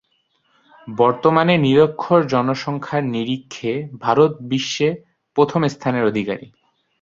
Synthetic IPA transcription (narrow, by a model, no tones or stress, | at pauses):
bɔɾt̪omaneniɾokʰːoɾd͡ʑɔnoʃɔŋkʰaɾniɾikʰːebʱaɾot̪̚biʃːe | pɾot̪ʰomest̪ʰaneɾod̪ʱika̰ɾḭ